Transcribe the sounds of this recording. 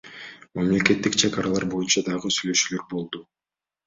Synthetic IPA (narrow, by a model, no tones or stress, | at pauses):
mamle̞ke̞t̪ːikt͡ʃʰekɑɾɑlˠɑɾbo̞junt͡ʃɑd̪ɑʁɯsyjlø̞ʃyːlø̞ɾbo̞lˠd̪u